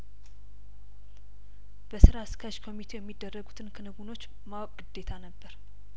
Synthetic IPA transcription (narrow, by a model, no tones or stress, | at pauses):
b̥əsɨɾaskʰəʃkʰomit̪ʰe̞jɛmːid̪ːərːəɡut̪ʰɨnkʰɨnɨɡuno̞t͡ʃː | mawɡɨd̪̥ːe̞t̪ʰanəbːəɾ